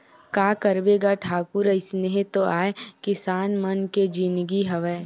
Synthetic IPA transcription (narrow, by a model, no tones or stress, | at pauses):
kaːkɐɾbeːɡaʈʰaːkʊɾɐɪsneɦẽt̪oʔaːekɪsaːnmɐnked͡ʒinɡiɦɐʋɛ